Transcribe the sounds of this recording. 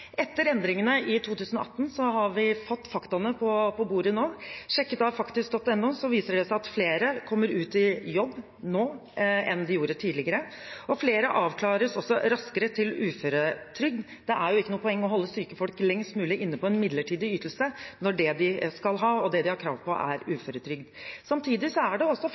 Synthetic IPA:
ʔɛt̪ːəɾɛnd̪ɾɪŋənəʔɪt̪ʰuːt̪ʉːsənɔ̰ʔɑt̪ːn̩sɔɦɑɾʋɪfɔt̪ːfɑkt̪ɑnəpʰɔpʰɔbuːɾənoːʂɛkːət̪ɑfɑkt̪ɪsk̚d̪ɔt̪ːɛnːʊsɔʋiːsəɖɛsæɪɑt̪fleːɾəkʰɔmːəɾʉːt̪ɪjɔbː | noːʔɛnd̪ɪjuːɾət̪ʰiːd̪lɪɡəɾə | ɔfleːɾəʔɑːʋkʰlɑːɾəsɔsːɔɾɑskəɾət̪ʰɪlʉːføɾət̪ʰɾʏɡ̚d̪ | d̪̥ɛʔæɾjʊɪkːənuːəpʰɔɛŋːɔɦɔlːəsyːkəfɔlklɛŋst̪mʉːlɪʔɪnːəpʰɔɛnmɪd̪ləʈʰiːd̪ɪyːt̪l̩sənɔɖɛd̪ɪskɑlɦɑːɔd̪ɛd̪ɪhɑɾkʰɾɑ̰ːʋpʰɔ̰ʔæ̰ɾʉːføːɾət̪ʰɾʏɡd̪sɑmt̪ʰiːd̪ɪsɔæɖɛɔsːɔ

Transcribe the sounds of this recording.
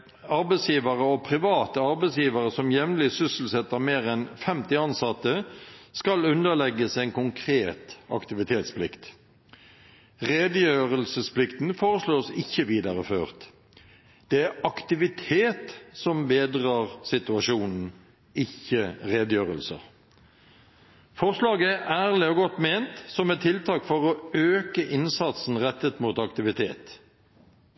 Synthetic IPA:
ɑɾbɛɪsjiːʋəʁəɔpʰʁɪʋɑːt̪əɑɾbɛɪsjiːʋəʁəsɔmjɛʋnlɪsʏsl̩sɛt̪ːəʁmeːʁɛnfɛmt̪ɪɑnsɑt̪ːəskɑlʉnəlɛɡːəsɛɪnkʊŋkʰɾeːt̪ɑ̰kt̪ɪʋɪt̪ʰeːt̪spʰlɪkt̪ | ʁeːd̪əjøːʁəlsəspʰlɪkt̪n̩foːʁəsloːsɪçːəʋiːd̪ɑʁəføːʁt̪ | d̪̥ɛæʁɑkt̪ɪʋɪt̪ʰeːt̪sɔmbeːd̪ʁɑːʁsɪt̪ʉɑʂuːnn̩ | ɪçəʁeːd̪əjøːʁəlsə̰ʁ | fɔʁslɑːɡəææːʁlɪɔɡɔt̪meːnt̪sɔmɛt̪ʰːɪlt̪ʰɑːkfɔʁɔøːkəʔɪnsɑt̪sn̩ʁɛt̪ːət̪muːt̪ɑkt̪ɪʋɪt̪ʰeːt̪

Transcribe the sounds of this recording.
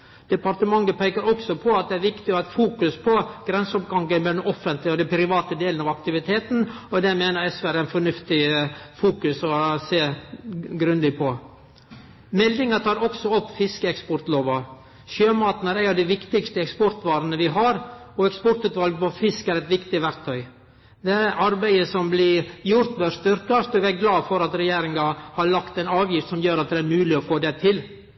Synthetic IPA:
d̪̥ɛpɑɾt̪əmɑŋːəpʰeːɪkəɾɔksɔpʰɔɑt̪̚d̪ɛæɾʋɪkt̪ɪɔæt̪fuːkʉspʰɔɡ̥ɾɛnsɔpɡɑŋɡənb̪ɛɖɛnʔɔfənt̪lɪɔd̪ɛnpʰɾɪʋɑːt̪əd̪eːlənɑːʋɑkt̪ɪʋɪt̪ʰeːt̪n̩ɔd̪ɛmeːnəɾɛsʋæɾænfɔɳʉft̪ɪəfuːkʉsɔseː | ɡɾʉnd̪ɪpʰɔ | mɛlːɪŋɑt̪ʰɑːɾɔksɔɔpːfɪskəɛkspɔɾt̪loːʋɑ | ʃøːmɑːt̪næɾæɪɑʋd̪ɛɪʋɪkt̪ɪɡst̪əɛkspɔɾt̪ʋɑːɾənəʋɪɦɑɾɔɛkspɔɾt̪ʉːt̪ʋɑlɡpɔfɪskæɾɛɪt̪ʋɪkt̪ɪʋæɾt̪ʰœʏ | d̪ɛæʔɑɾbæɪəsɔmblɪjʊɾt̪ʋœst̪ʏɾkɑst̪ɔʋæɾɡlɑːfɔɾɑt̪ɾɛjeːɾɪŋɑhɑɾɭɑkt̪ɛɪnɑːʋjɪft̪sɔmjøːɾɑt̪̚d̪ɛæɾmʉːlɪɔfoːd̪ɛt̪ʰɪl

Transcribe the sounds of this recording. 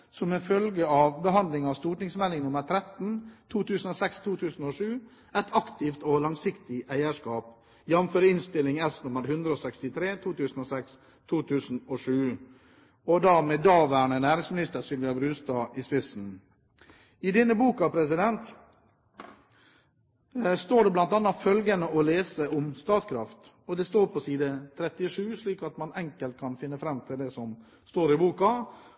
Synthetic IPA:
sɔmɛfœlɡəɑʋbəɦɑnd̪lɪŋɑst̪uːʈnɪŋsmɛlːɪŋnʊməɾt̪ʰɾɛt̪n̩t̪ʰuːt̪ʉːsən̩ɔːsɛkst̪ʰuːt̪ʰʉːsn̩ɔʂʉː | æɪt̪ʰɑkt̪ɪft̪olɑŋsɪkt̪ɪʔæɪəʂkɑːp | jɛnføːɾɪnst̪ɪlːɪŋɛsnʊməɾhʉnd̪ɾəɔːsɛkst̪ɪt̪ʰɾeːt̪ʰuːt̪ʉːsn̩ɔːsɛks | t̪ʰuːt̪ʰʉːsn̩ɔʂʉː | ɔd̪æɾmeːd̪ɑːʋæɳənæːɾɪŋsmɪnɪst̪əɾsʏlʋɪɑbɾʉːst̪ɑːʔɪspɪsn̩ | ɪd̪ɪnːəbuːkɑpʰɾɛsɪd̪ɛnt̪ | st̪oːɖɛblɑnt̪ɑnːɑfœlɡənəɔleːsəʊmst̪ɑːt̪kʰɾɑft̪ | ɔd̪ɛst̪oːɾpʰɔsiːd̪ət̪ʰɾɛt̪ːɪɔʂʉːʂliːkɑt̪mɑnɛŋkəlt̪̚kʰɑnfɪnːəfɾɛmːt̪ʰɪld̪ɛsɔm | st̪oːɾɪbuːkɑ

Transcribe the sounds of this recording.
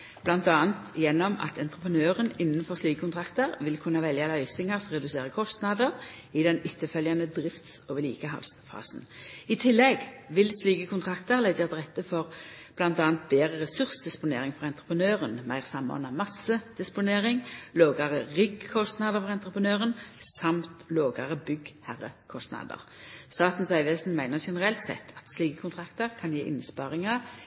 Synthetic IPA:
b̥lɑnt̪ɑːənt̪jɛnːɔmɑ̰t̪ʰɛnt̪ʁəpʰənøːʁənɪnːənfɔʁsliːkəkʰʊnt̪ʰʁɑkt̪əʁʋɪlkʰʉnːɑʋɛljɑlœʏsɪŋɑʁsʁɛd̪ʉseːʁəkʰɔst̪nɑd̪əʁ | ɪd̪ɛnʏt̪ʰːəfœljɑnəd̪ʁɪft̪soːʋəlḭːkəhɑ̰lsfɑ̰ːsn̩ɪt̪ʰɪlːɛɡ | ʋɪlsliːkəkʊnt̪ʰʁɑkt̪əʁlɛət̪ʁɛt̪ːəfɔʁ | b̥lɑnt̪ɑːnt̪̚beːʁəʁɛsʉʁsd̪ɪspʊnḛːʁɪŋfɔʁɛnt̪ʁəpʁənøːʁənmæɪʁsɑmo̰ːnɑmɑsəd̪̥ɪspʊneːʁɪŋloːɡɑʁəʁʏɡkʰɔst̪nɑːd̪əʁfɔʁɛnt̪ʁəpʰənøːʁənsɑmt̪loːɡɑʁəbʏɡhæʁə̰kʰɔst̪nɑ̰ːd̪ə̰ʁ | st̪ɑːt̪n̩sɑɪʋesn̩mæɪnəʃɛnəʁɛlt̪sɛ̰t̪ʰːɑt̪sliːkəkʊnt̪ʰʁɑkt̪əʁkʰɑnjeːʔɪ̰nəspɑʁɪŋɑ

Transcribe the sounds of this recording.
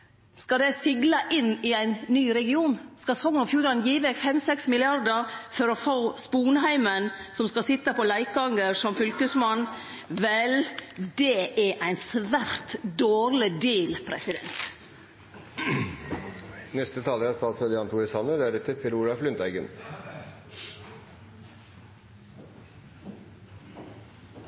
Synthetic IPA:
skɑd̪ɛsɪɡlɑʔɪnɪæɪnːyːɾɛɡɪuːnskɑsɔŋɔfjuːɾɑnjiːʋɛfɛmsɛksmɪlɪɑɾd̪əɾfɔɾɔfoːspuːnəɦæɪmənsɔmskɑsɪt̪ːɑpɔlæɪkɡɑŋəɾsɔmfʏlkəsmɑn | ʋɛld̪ɛʔæʔæɪnsʋæɾt̪d̪oːɾlɪd̪eːlpʰɾɛ̰sɪd̪ɛ̰nt̪ | nɛst̪ət̪ʰɑːləɾæsɑlsɔd̪ɛɑnt̪uːɾɪsɑnəd̪æɾɛt̪ʰːəpʰɛɾuːɾɑflʏnd̪æɪɡə̰n

